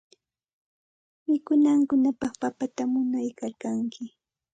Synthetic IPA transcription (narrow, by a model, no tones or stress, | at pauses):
mɪkʊnaŋkʊnapɑχpapat̪amʊnajkalkaŋkɪ